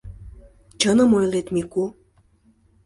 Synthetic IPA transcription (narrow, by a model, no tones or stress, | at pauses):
t͡ɕənə̆mojlet̪miku